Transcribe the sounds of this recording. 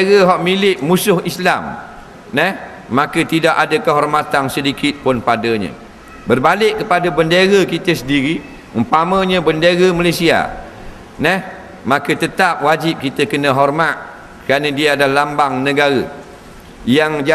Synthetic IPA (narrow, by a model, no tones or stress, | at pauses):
ɣəɦɔʔmilɪʔmusʊɦislam | nɛh | makət̪idaʔadəkəɦɔrmat̪ansədikʰɪt̪̚pʊnpadəɲə̰̃ | bərbalɪʔkːəpadəbəndəɾəkit̪əsəndiɾi | əmpamə̃ɲə̃bəndəɣəmalesia̰ | nɛh | makət̪ət̪ap̚wad͡ʒip̚kit̪əkənə̃ɦɔrmat̪̚ | kəɾanədiaadalambaŋnə̃ɡaɾə | jaŋd͡ʒa